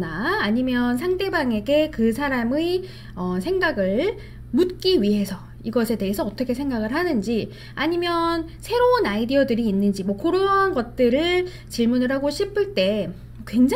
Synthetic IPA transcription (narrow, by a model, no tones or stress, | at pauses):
naːɲimjʌnsʰaŋde̞baŋe̞ɡe̞kɯsʰaɾamɯ | ʌsʰe̞ŋɡaɡɯɭ | mut̚k͈iɥiɦe̞sʰʌ | iɡʌsʰe̞te̞ɦesʰʌʌt͈ʌkʰe̞sʰe̞ŋɡaɡɯɭɦanɯnd͡ʑi | aɲimjʌnsʰe̞ɾounaidiʌdɯɾiːnːɯnd͡ʑimwʌkoɾoanɡʌt̚t͈ɯɾɯɭ | t͡ɕiɭmunɯɾɦaɡoɕʰipʰɯɭt͈e̞ | kwe̞ŋd͡ʑ